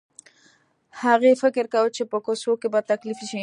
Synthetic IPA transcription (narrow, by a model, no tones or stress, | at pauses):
haɣefɪkɪɾkawt͡ʃepəkosokebat̪aklɪfiʃi